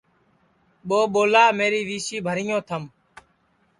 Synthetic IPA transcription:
ɓoːɓoːlaːmeːɾiːʋiːsiːbʱəɾɪjõːt̪ʰəm

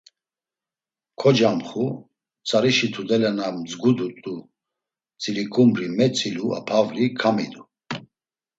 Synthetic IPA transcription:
kʰɔd͡ʒamχu | t͡sʼaɾiʃit̪ʰud̪ɛlɛnamd͡zɡud̪ut̪ʼu | t͡sʼiɾikʰʼumɾimɛt͡sʼilua̰pʰavɾikʰamid̪u

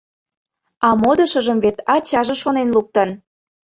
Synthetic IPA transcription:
ɑmod̪ə̆ʃəʒəmvet̪ɑt͡ɕɑʒeʃonenluk̚t̪ə̆n

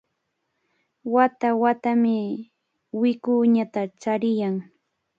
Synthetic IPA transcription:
wat̪awat̪amɪ | wɪkʊɲat̪at͡ʃaɾɪjaŋ

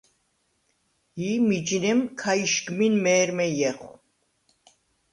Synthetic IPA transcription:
iːmid͡ʒnɛmkʰajʃɡminmɛːɾmɛjɛχ

